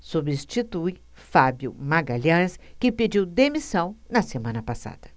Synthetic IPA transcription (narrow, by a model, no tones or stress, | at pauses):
subist͡ʃit̪uj | fabjʊmaɡaʎɐ̃skɪped͡ʒiwd̪emisɐ̃w̃nɐsemɐ̃nɐpasa̰d̪̥ɐ̥